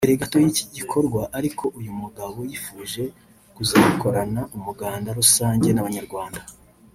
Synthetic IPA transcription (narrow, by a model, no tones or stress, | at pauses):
eɾeɡato̞jici̥ɟikʰo̞ɾɡwaʔaɾikʰo̞ʔujumuɡaβo̞jifuːʒe̞ | kuzauko̞ɾanaumuɡaːndaɾusaːɲɟe̞naβaɲaɾɡwaːnda